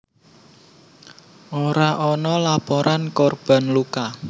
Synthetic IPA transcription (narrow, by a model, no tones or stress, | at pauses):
ʔoɾaʔɔnɔlapɔɾʔankɔrb̥a̤nluka